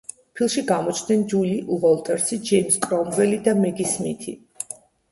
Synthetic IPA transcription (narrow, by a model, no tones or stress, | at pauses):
pʰilˠʃiɡamɔt͡ʃʰnɛnd͡ʒuliʔuʁɔlˠt̪ʼɛɾsid͡ʒɛjmskʼɾɔmvɛlid̪amɛɡismḭt̪ʰḭ